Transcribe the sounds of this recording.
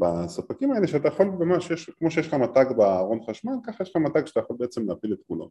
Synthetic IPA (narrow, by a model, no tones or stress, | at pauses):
basapakimaeleʃeat̪ajaχo̞lmamaʃjeʃkmo̞ʃejelχamat̪aɡbaaːʁo̞nχaʃmankaχajeʃlχamat̪aɡʃat̪ajaχo̞lbeet͡semleaːpilet̪kulo̰